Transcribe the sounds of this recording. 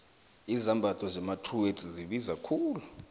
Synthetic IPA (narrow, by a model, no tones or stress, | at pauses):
izambʱatʰʼɔzɛmatʰruwetʼiziɓizakʰuːlu